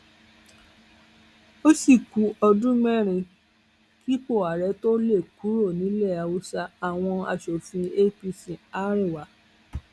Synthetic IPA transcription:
o˦si˦˨ku˨˦ɔ˧dũ˦ɡ͡bɛ̃˦˨ɾ̃ĩ˧ | ki˦k͡po˦˨a˨ɾɛ˨˦to˦le˦˨ku˨˦ɾo˦˨nĩ˨˦lɛ˦˨a˨wu˦sa˧a˨w̃ɔ̃˧a̰˨ʃo˨fĩ˧e˦˨pi˧sĩ˨a˨˦ɾ̃ĩ˦˨wa˨˦

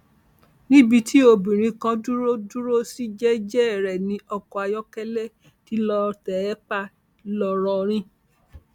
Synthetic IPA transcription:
nĩ˦bi˧ti˦o˧bĩ˨ɾ̃ĩ˧kã˧du˦ɾo˦du˦ɾo˦si˦d͡ʒɛ˦d͡ʒɛ˦ɛ˦˨ɾɛ˨nĩ˧ɔ˧kɔ˧a˧jɔ˦kɛ˦lɛ˦ | ti˨˦lɔ˧tɛ˨ɛ˦k͡pa˦ | lɔ˧ɾɔ˧ɾ̃ĩ˦

